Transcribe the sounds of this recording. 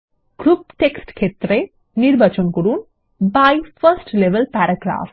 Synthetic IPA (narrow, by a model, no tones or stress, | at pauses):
ɡ̥ɾupʈeksʈkʰet̪ɾe | niɾbʱɐt͡ʃɔnkɔɾuːn | bajfʰɐɾsʈleʋəlpæɾɐɡɾa̰ːf